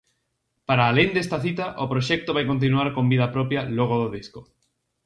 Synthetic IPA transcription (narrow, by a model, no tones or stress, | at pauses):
paɾaːlend̪est̪aθit̪aʔopɾoʃek̚t̪oβajkont̪̬inuaɾkombið̞apɾopjaloɣ̞oðoðisko